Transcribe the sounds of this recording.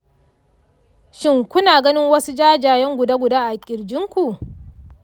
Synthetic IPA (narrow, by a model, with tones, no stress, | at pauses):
ʃɪ˦ŋkʷʊ˦naː˨ɡɐ˦nɪ˦ŋwɐ˦su˦d͡ʒaː˦d͡ʒaː˨jɛ˦ŋɡʷʊ˨daː˦ɡʷʊ˨daː˦ʔa˨kʲʼɪ˨ɾd͡ʒɪ˦ŋkʷu˨ʔ